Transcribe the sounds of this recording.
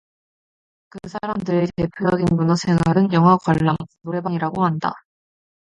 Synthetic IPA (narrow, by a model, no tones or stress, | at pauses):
kɯsʰaɾamdɯɾetepʰujʌɡinmunʌsʰe̞ŋaɾɯnjʌŋɦakwaɭːamkudoɾe̞baɲiɾaɡomanda̰